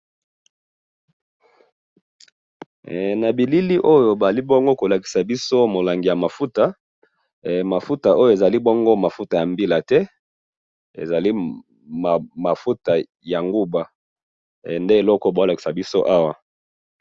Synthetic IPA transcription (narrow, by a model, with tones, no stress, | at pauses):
na˨bi˨li˦li˦ʔo˦jo˨ba˨li˦bɔ˦ŋɡo˦ko˨la˨ki̥˨sa˨bi˦so˦mo˨la˨ŋɡi˨ja˨ma˨fu˦ta˨ | ma˨fu˦ta˨ʔo˦jo˨e˨za˨li˦bɔ˦ŋɡo˦ma˨fu˦ta˨ja˨mbi˦la˨tɛ˦ | ḛ˨za˨li˦ | m˨ma˨fu˦ta˨ | ja˨ŋɡu˦ba˨ | nde˦e˨lɔ˦kɔ˦ba˨o˦la˨ki̥˨sa˨bi˦so˦ʔa˦wa˨